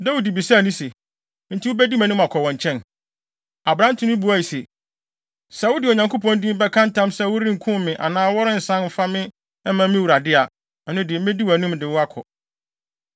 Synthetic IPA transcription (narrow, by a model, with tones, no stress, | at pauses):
da˦wu˨di˨bi˨sa˦˨nĩ˦se˨ | n̩˦tʰi˨˦ʊ˦bɛ˦di˦mæ̃˨nʊ̃˦ma˨kʰɔ˨wɔ̃˨ɲ˨t͡ɕʰɛ̃˦n | a˨bɾã˦n˦tʰʊ̃˦nʊ̃˦bu˦a˨i˨se˨ | sa˨wʊ˦dɪ˨o˨ɲã˨ŋkʰo˦pʰɔ̃˦n˦dĩ˦m˦bɛ˦kʰã˦n˦tʰã˦msɛ˦wʊ˦ɾĩ˦ŋ̩˨kʰʊ̃˦mmɪ̃˨ʔa̰˨nãː˦wɔ˦ɾɪ̃˦n̩˨sã˦nm̩˨fa˦mɪ̃˦ | ɛ˦mã˦mɪ̃˦wu˨ɾa˨dɪ˦a˨ | ɛ˨nʊ̃˦dɪ˨m̩˦mẽ˦di˦wæ˨nʊ̃˦dɪ˨wʊ˦a˦kʰɔ̰˨